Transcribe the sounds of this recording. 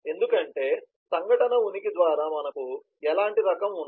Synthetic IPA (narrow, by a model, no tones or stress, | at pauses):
e̞nd̪ukɐɳʈe̞ː | sɐŋɡʱɐʈɐnɐunikid̪ʋaːɾaːmɐnɐku | ɛlaːɳʈiɾɐkɐmunː